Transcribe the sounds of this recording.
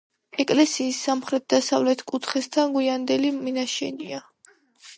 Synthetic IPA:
ɛkʼlɛsiːsːamχɾɛt̪̚d̪asavlɛt̪ʰkʼut̪ʰχɛst̪ʰanɡwiand̪ɛliminaʃɛ̰nia

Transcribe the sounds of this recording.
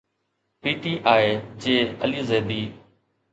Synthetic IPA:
piːʈiːʔaːɦeːd͡ʒeːəliːzeːd̪iː

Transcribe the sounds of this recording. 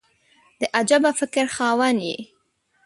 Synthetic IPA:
d̪̥əʔad͡ʒabafɪkɾxɑːwanjḛ

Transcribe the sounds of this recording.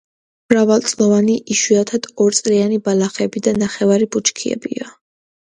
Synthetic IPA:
mɾavalˠt̪sʼlˠɔvaniʔiʃwiat̪ʰad̪̥ɔɾt̪sʼɾianibalˠaχɛbid̪anaχɛvaɾibut͡ʃʰkʰiɛ̰bḭa

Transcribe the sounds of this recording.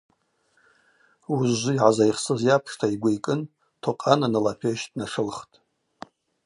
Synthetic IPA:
uzːʷʊiʕazajχsɨzjapʰʂtʰaiɡʷaikʼɨn | tʰoqʼananalapʰeʃtʼnaʂɨlχtʼ

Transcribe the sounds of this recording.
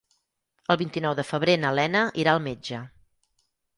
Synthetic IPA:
əlˠβint̪inɔwðəfəβɾenəlɛnəʔiɾaəlˠmed͡ʒə

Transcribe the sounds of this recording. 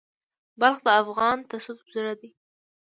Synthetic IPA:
balxd̪əafɣɑnt̪asufbzəɽad̪i

